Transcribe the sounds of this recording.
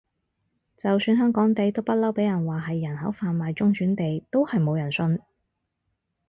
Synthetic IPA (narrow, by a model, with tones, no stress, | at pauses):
t͡sɐ˨wsyː˧nɦœː˥ŋkɔː˨˥ŋt̪e˨jt̪o˥wpɐ˥t̚lɐ˥wpe˨˥jɐ˨˩nwaː˨ɦɐ˨jːɐ˨˩nɦɐ˨˥wfaː˨nmaː˨jt͡sʊ˥ŋt͡ʃyː˨˥nt̪e˨jt̪o˥whɐ˨jmo˨˧wjɐ˨˩nsɵ˧n